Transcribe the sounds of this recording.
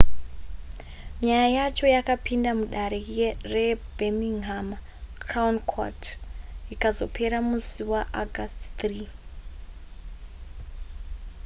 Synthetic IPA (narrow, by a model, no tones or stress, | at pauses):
ɲajajat͡ʃo̞jakapindamuɗaɾe̞rebʱemiŋɦama | kraunkʰo̰tikazo̞pʰe̞ɾamusiwaʔaɡʱastt̪riː